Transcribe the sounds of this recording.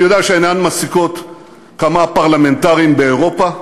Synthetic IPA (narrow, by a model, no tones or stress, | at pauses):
jod̪eaʃeenanmasiko̞t | kamapaʁlame̞nt̪aʁiimbe̞ːʁo̞pa